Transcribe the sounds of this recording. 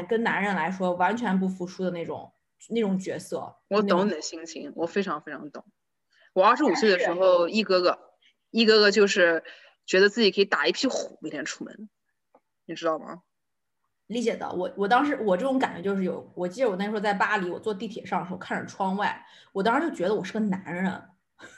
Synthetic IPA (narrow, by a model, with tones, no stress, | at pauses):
kə˥nna˧˥nɻə˧˥nla˧˥ɪʂwɔ˥wa˧˥nt͡ɕʰɥɛ˧˥np̬u˥˩fu˧˥ʈ͡ʂʰu˥d̪ə˨ne˥˩ʈ͡ʂʊ̰˨˩˦ŋ | ne˥˩ʈ͡ʂʊ˨˩ŋt͡ɕɥɛ̰˧˥sɤ̰˥˩wɔ˧˥t̪ʊ˨˧˥ŋni˨˩d̪ə˦ɕi˥ŋt͡ɕʰḭ˧˥ŋwɔ˨˩fe˥ɪʈ͡ʂʰɑ˧˥ŋfe˥ɪʈ͡ʂʰɑ˧˥ŋt̪ʊ̰˨˩˦ŋ | wɔ˨˩a˞˥˩ʂɻ̩˥u˨˩swe˥˩ɪd̪ə˨˩ʂɻ̩˧˥xo˥˧ʊi˥˩kɤ˥ɡə˧ | i˥˩kɤ˥ɡə˨t͡ɕjo˥˧ʊʂɻ̩˥˩ | t͡ɕɥɛ˧˥d̪ə˧t͡sɹ̩˥˩t͡ɕi˨˩kʰɤ˧˥i˧t̪a˨˩i˥˩pʰi˥xu˨˩˦me˥˩t̪jɛ˧˥nʈ͡ʂʰu̥˥˩mə̰˧˥n | ni˨˩ʈ͡ʂɻ̩˥t̪ɑ˥˩ʊmɐ̰˨˩ | li˧˥t͡ɕjɛ˨˩d̪ə̰˥wɔ˧˩wɔ˨˩t̪̬ɑ˥ŋʂ̬ɻ̩˧˥wɔ˨˩ʈ͡ʂɤ˥˩ʈ͡ʂʊ˧˥ŋka˨˩nt͡ɕɥɛ̰˧˥t͡ɕjo˥˧ʊʂ̬ɻ̩˥˩jo̰˨˧˩ʊwɔ˨˩t͡ɕi˥˩wɔ˨˩t̪̩˥wt͡sa˥˩ɪpa˥li˧˥wɔ̰˨˩t͡swɔ˥˧t̪̬i˥˩t̪ʰjɛ˨˩ʂɑ˥˩ŋə˩ʂ̩˧˥˧kʰa˥˩nɻə˨˩ʈ͡ʂʰwɑ˥ŋwa˥˩ɪwɔ˨˩t̪̬ɑ˥ŋɻa˧˥t͡ɕo˥˩ʊt͡ɕɥɛ˧˥d̪ə˧wɔ˨˩ʂɻ̩˥˩ɡə˩na˧˥nɻɻə˧˥n